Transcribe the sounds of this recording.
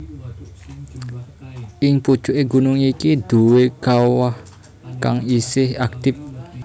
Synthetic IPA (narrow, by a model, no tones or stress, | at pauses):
ʔɪŋpu̥t͡ʃuʔeɡunʊŋikid̪̥uwekawah | kaŋisɪhak̚t̪ɪp̚